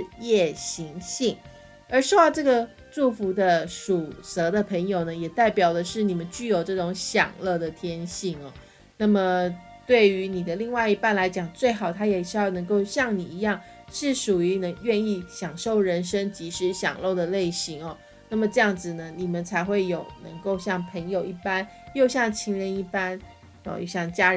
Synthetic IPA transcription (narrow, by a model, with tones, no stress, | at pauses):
ɻɻ̩˥˧jɛ˥˩ɕi˧˥ŋɕi˥˩ŋ | ə˞˧˥ʂ̩˥˧ʊɑ˥˧ʊʈ͡ʂɤ˥˩ɡə˨˩ | ʈ͡ʂu˥˩fu˧˥d̪ə˧ʂu˨˩sɤ˧˥d̪ə˧pʰə˧˥ŋjo˨˩ʊnə˦jɛ˨˩t̪a˥˩ɪpjɑ˨˩ʊlə˦ʂɻ̩˥˩ni˨˩mə˦nt͡ɕy˥˩jo˨˩ʊʈ͡ʂɤ˥˩ʈ͡ʂʊ˧˥ŋɕjɑ̰˨˩ŋlɤ˥˩d̪ə˩t̪ʰjɛ˥nɕi˥˩ŋɐ˩ | na˥˩mə˩ | t̪we˥˩ɪy˧˥ni˨˩d̪ə˦li˥˧ŋwa˥˩ɪi˧˥pa˥˩nla˧˥ɪt͡ɕjɑ˨˩ŋt͡swe˥˩ɪxɑ˨˩ʊt̪ʰa˥jɛ˨˩ʂɻ̩˥jɑ˥˩ʊnɤ˧˥ŋko˥˧ʊɕjɑ˥˩ŋni˨˩i˧˥jɑ˥˧ŋ | ʂɻ̩˥˩ʂu˨˩y˧˥nə˧˥ŋɥɛ˥˧ni˥˩ɕjɑ˨˩ŋʂo˥˩ʊɻə˧˦˥nʂə˥ŋt͡ɕi˧˥ʂɻ̩˧˥ɕjɑ̰˨˩ŋlo˥˩ʊd̪ə˩le˥˩ɪɕi˧˥ŋɐ˨˩ | na˥˩mə˩ʈ͡ʂɤ˥˧jɑ˥˩ŋd͡zɹ̩˨˩nə˦ni˨˩mə˨˦nt͡sʰa˧˥ɪxwe˥˩ɪjo˨˩ʊnɤ̰˧˥ŋko˥˧ʊɕjɑ˥˩ŋpʰə˧˥ŋjo˨˩ʊʔi˥˩pa˦n | jo˥˧ʊɕjɑ˥˩ŋt͡ɕʰi˧˥ŋɻə˧˥ni˥˩pa˥n̰˥˧ | jo̰˥˧˩ɕjɑ˥˩ŋt͡ɕja˥